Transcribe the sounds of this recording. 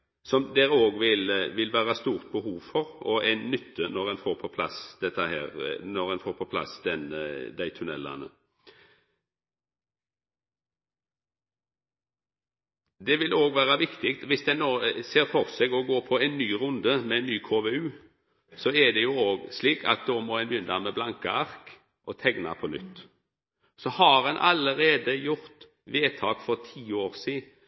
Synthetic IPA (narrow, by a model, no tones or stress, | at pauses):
sɔmd̪ɛɾoːɡʋɪlʋɪlʋæːʁɑst̪uːʁt̪̚bəhuːʋfɔʁɔæɪnːʏt̪ʰːənɔʁɛnfoːɾpʰɔpʰlɑ̰sd̪̥ɛt̪ːəhæ̰ːɾnɔʁɛnfoːɾpʰɔpʰlɑ̰sd̪ɛnd̪æɪt̪ʰʉnɛ̰lːɑ̰nə̰ | d̪ɛʋɪloːɡʋæːʁɑʋɪkt̪ɪkt̪ʋɪsd̪ɛnːoːseːɾfɔʁsɛɡɔɡoːpʰɔɛnnyːʁʊnd̪əmɛnːyːkʰoːʋeʉː | sɔɛd̪ɛjʊoːɡsliːkʰɑ̰t̪̚d̪oːmɔɛɪnʋʏnd̪ɑmɛblɑŋkəɑʁk | ʔɔt̪ʰɛɡnɑ̰pʰɔnʏ̰t̪ː | sɔhɑɾhɑnʔɑ̰ləɾeːd̪əjʊʁt̪ | ʋeːt̪ʰɑːkfɔʁt̪ʰiːoːʁsiː